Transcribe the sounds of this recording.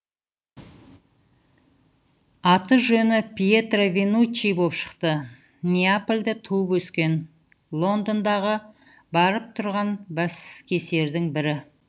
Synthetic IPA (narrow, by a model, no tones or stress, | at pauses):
ɑt̪əʒɵnɪpʲijet̪rovʲenut͡ʃːijbopʃə̥qt̪ə | nʲeaplʲd̪ɪt̪ʰuəpwɵskʲe̞n | lˠo̞nd̪ond̪ɑʁə | bɑɾəp̚t̪ʰʊɾʁɑnbæskʲʰe̞se̞ɾd̪ɪŋbɪɾɪ